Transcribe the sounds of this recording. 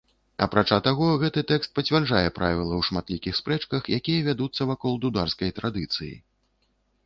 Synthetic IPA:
ɐ̰pɾat͡ʂat̪aɣɔɣɛt̪ɨt̪ɛkst̪̚pɐt͡sʲvʲarʐajɛpɾʔavʲilˠɐwʂmat̪lʲikʲixspɾɛt͡ʂkɐxjakʲijɐvʲad̪ut̪sːɐvakɔlˠd̪ud̪arskɐjt̪ɾad̪ɨt̪sɨjḭ

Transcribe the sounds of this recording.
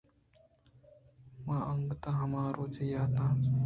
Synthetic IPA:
mãːʔəŋɡt̪ãɦɐmaːɾoːt͡ʃejaːt̪ãː

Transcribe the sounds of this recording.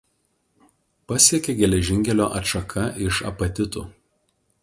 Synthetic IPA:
pɐsʲiɛkʲeɡʲɛlʲɛʒʲɪŋʲkʲɛlʲoːʔɐtʃɐkʰɐʔɪʃɐ̰pɐt̪ʲɪt̪ṵː

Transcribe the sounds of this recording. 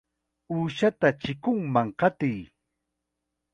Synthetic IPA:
uːʃat̪at͡ʃɪkʊŋmaŋqɑt̪ɪj

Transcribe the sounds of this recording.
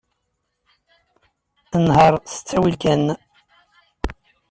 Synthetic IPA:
ənhəɾˤθə̥t͡sːæwilkæn

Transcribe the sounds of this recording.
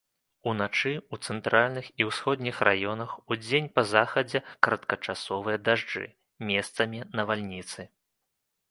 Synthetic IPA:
unat͡ʂɨut̪sɛnt̪ɾalʲnɨxiwsxɔd̪ʲnʲixrajɔnɐxud͡zʲenʲpɐzaxɐd͡zʲɛkɾɐt̪kɐt͡ʂasɔvɨjɐd̪aʐd͡ʐɨ̰ | mʲɛst̪sɐmʲinɐvalʲnʲit̪sɨ

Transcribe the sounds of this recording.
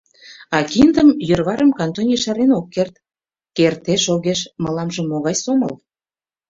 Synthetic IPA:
ɑkind̪əmjørβɑɾəmkɑnt̪onʲiʃɑɾenokːert̪ | kert̪eʃoɣeʃməlɑmʒə̆mːoɣɑjsoməl

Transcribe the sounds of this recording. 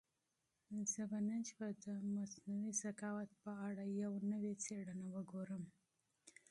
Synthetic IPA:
zəbanənt͡ʃbad̪əmasnawizakɑwat̪̚pəaɽajawnəwet͡seɽənawəɡoɾəm

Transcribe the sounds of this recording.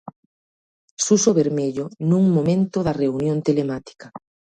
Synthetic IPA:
susoβeɾmeʎonũŋmomẽnt̪ʊðɐreunjõnt̪elemat̪i̥kɐ

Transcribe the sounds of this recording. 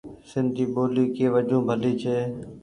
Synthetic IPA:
sɪ̃nd̪̚d͡ʒiːɓoːliːkeːʋəd͡ʒõːbʱəliːt͡ʃʰeː

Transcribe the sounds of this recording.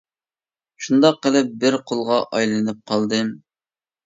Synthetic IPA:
ʃund̪ɑqːəlˠɨp̚bɪɾqʰolˠʁɑʔɑjlˠɨnɨp̚qʰɑlˠd̪ɨm

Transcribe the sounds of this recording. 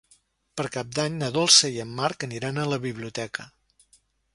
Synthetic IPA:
pəɾkap̚d̪aɲnəðolˠsəiəmːaɾkəniɾanələβiβliut̪ɛkə

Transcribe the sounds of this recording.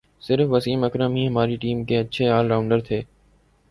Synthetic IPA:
sɪɾfʋəsiːməkɾəmiːɦɐmaːɾiʈiːmkeːɐtːʃʰeaːlɾaːʊ̃ɳɖəɾt̪ʰeː

